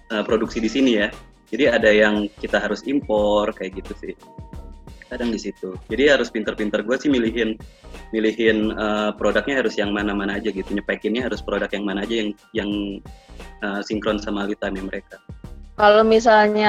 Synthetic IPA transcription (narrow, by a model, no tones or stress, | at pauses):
əpɾoduksidisinija | d͡ʒadiadajaŋkit̪aɦaɾʊsimpɔrkajaʔɡit̪usɪh | kadaŋdisit̪ud͡ʒadiɦaɾʊspint̪ərpint̪ərɡuasɪhmiliɦɪnmiliɦɪnəpɾodak̚ɲaɦaɾʊsjaŋmanamanaːd͡ʒaɡit̪uɲəpaikɪnɲaɦaɾʊspɾodakjaŋmanaːd͡ʒajaŋ | jaŋ | ʔəːsiŋkɾɔnsamalit̪amiməɾekakalomis̬alɲa